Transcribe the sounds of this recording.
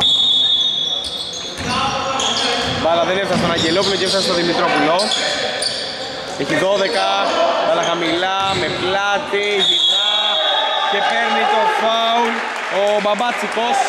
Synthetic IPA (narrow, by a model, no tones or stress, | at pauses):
bɐlɐðeneɾɐst̪onɐɲɟelopulocefsɐst̪oðimit̪ɾopulo | eçiðoðekɐbɐlɐxɐmilɐmeplɐt̪iʝit̪ɐ | ce̞peɾnit̪ofɐul | obɐbɐt͡sikos